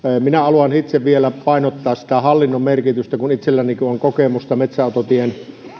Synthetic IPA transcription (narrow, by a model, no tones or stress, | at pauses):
minæɑluɑnhit̪seʋʋielæpɑˑinot̪ːɑːssi̥t̪æhɑlːinːommerkit̪yst̪ækunit̪selːænikuoŋkokemust̪ɑmet̪sæot̪ot̪ien